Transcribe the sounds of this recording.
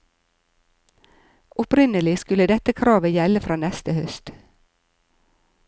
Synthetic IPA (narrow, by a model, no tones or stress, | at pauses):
ʔɔpɾɪnəlɪskʉləd̪ɛt̪əkʰɾɑːʋəjɛləfɾɑːnɛst̪əhœst̪